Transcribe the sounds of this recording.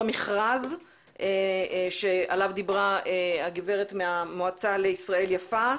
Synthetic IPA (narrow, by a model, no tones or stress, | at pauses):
miχʁaz | ʔeʃealavd̪ibʁaeaɡive̞ʁetmeamoat͡saleisʁae̞ljafa